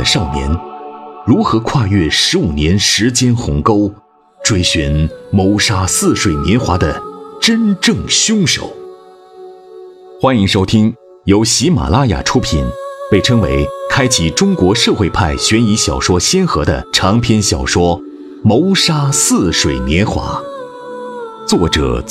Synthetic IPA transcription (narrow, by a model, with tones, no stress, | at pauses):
əʂɑ˥˩ʊnjɛ̰˧˥nɻu˧˥xɤ˧˥kʰwa˥˧ɥɛ˥˩ʂɻ̩˧˥u˨˩njɛ˧˥nʂɻ̩˧˥t͡ɕjɛ˥nxʊ̰˧˥ŋko˥ʊ | ʈ͡ʂwe˥˩ɪɕɥɛ˧˥nmo˧˥ʊʂa˥sɹ̩˥˩ʂwe˨˩ɪnjɛ˧˥nxwa̰˧˥d̪ə˧ʈ͡ʂə˥nʈ͡ʂɤ˥˩ŋɕʊ˥ŋʂo̰˨˩˦ʊ | xwa˥ni˧˥ŋʂo˥ʊt̪ʰi˥ŋ | jo˧˥ʊɕi˧˥ma̰˨˩la˥ja̰˨˩ʈ͡ʂʰu˥pʰi˨˩npe˥˩ɪʈ͡ʂʰɤ˥ŋwḛ˧˥ɪkʰa˥ɪt͡ɕʰi˨˩ʈ͡ʂʊ˥ŋkwɔ˧˥ʂɤ˥˧xwe˥˧ɪpʰa˥˩ɪɕɥɛ˧˥ni˧˥ɕjɑ˨˩ʊʂwɔ˥ɕjɛ˥nxɤ˧˥d̪ə̰˧ʈ͡ʂʰɑ˧˥ŋpʰjɛ˥nɕjɑ˨˩ʊʂwɔ˥ | mo˧˥ʊʂa˥sɹ̩˥˩ʂwe˨˩ɪnjɛ˧˥nxwa̰˧˥ | t͡swɔ˥˩ʈ͡ʂɤ̰˨˩